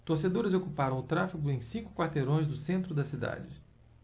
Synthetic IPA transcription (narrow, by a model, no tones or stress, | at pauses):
t̪oɾsed̪oɾɪzokupaɾɐ̃w̃ʊt̪ɾafiɡʊẽj̃sĩŋkʊ̥kwaɾt̪eɾõj̃zd̪ʊsẽnt̪ɾʊd̪ɐsid̪a̰d͡ʒɪ